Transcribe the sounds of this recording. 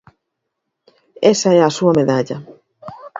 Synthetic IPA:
esaɛasuameðaʎɐ

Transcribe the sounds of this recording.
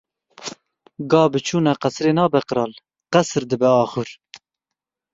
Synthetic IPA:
ɡɑːbɨt͡ʃʰuːnɑqɛsɾeːnɑːbɛqɨɾɑːl | qɛsɾd̪ɨbɛɑːχuɾ

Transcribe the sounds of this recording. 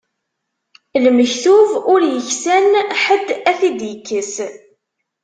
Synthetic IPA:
lməçθuvʊɾjəçsænħəd̪ːæθid̪jəkːəs

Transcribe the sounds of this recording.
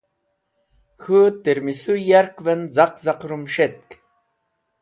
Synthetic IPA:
xʰut̪eɾmisujaɾkvenzaqzaqɾumʃet̪̚k

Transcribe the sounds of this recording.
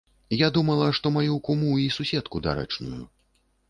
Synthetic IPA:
jad̪umɐlˠɐʂt̪ɔmajukumuisusʲɛt̪kud̪a̰ɾɛ̰t͡ʂnujṵ

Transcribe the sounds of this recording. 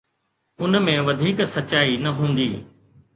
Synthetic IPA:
ʊnmẽʋɐd̪ʱiːksɐt͡ɕaːinɐɦũːn̆d̪iː

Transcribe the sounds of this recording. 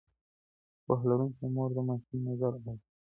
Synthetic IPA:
paɦlaɾuŋkomoɾd̪əmakinazaɾaw

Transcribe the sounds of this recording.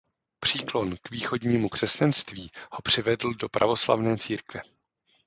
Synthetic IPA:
pr̥iːklo̞nkviːxo̞dɲiːmukr̥ɛscanst̪viːho̞pr̝̥ɪvɛdl̩do̞pɾʔa̰vo̞sla̰vnɛːt͡siːɾkvɛ

